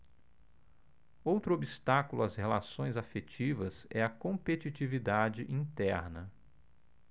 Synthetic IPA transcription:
owt̪ɾʊobist̪akʊlʊɐshelasõj̃zafet͡ʃivɐsɛɐkõmpet͡ʃit͡ʃivid̪ad͡ʒɪʔĩt̪ɛɾnɐ

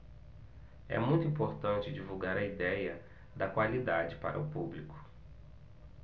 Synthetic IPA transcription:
ɛ̰mũj̃t̪uĩpoɾt̪ɐ̃nt͡ʃɪd͡ʒivuɡaɾɐid̪ɛjɐ | d̪ɐkwalid̪ad͡ʒɪpa̰ɾɐ̰ʊpublikʊ̥

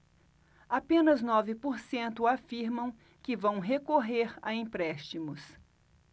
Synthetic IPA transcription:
apẽnɐznɔvɪpoɾsẽnt̪ʊafiɾmɐ̃w̃ | kɪvɐ̃w̃ɦekoɦeɾa̰ĩpɾɛst͡ʃimʊs

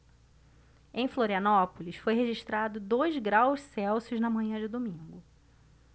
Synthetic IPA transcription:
ẽj̃floɾiɐnɔpʊlisfojɦeʒiʃt̪ɾad̪ʊd̪ojzɡɾawʃsɛwsjʊznɐmɐ̃ɲɐ̃d͡ʒɪd̪omĩŋɡʊ

